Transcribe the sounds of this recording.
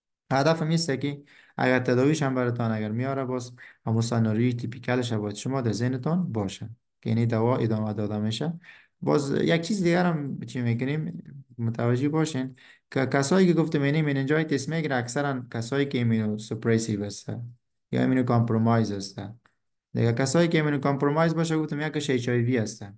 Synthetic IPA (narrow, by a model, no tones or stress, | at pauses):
had̪afamist̪aki | a̰ɡaɾt̪ad̪ɔwiʃambaɾɪt̪ɔnaɡaɾmijɔɾabɔzhamusanɔɾit̪ʰipikalɪʃ̬abɔjad̪ʃʊmɔd̪azɪhnɪt̪ɔnbɔʃa | kḭnid̪awɔɪ̰d̪ɔmad̪ɔd̪ameʃa | bɔ̰zjaɡ̚t͡ʃʰizd̪iɡaɾamt͡ʃʰimekʊnemmʊt̪ʰawad͡ʒebɔʃenkɪkasɔjkɪɡʊft̪ɪmenimenend͡ʒɔjit̪esmeɡiɾaːksaɾankasɔikiminusʊpɾajsibast̪a̰ | jɔ̰ḛminukɔmpɾomajzast̪a | d̪ɪ̰ɡakasɔːjikieminukɔmpɾomɑjzbɔʃ̬aɡʊft̪ɪmjakːʊʃet͡ʃɔibiast̪a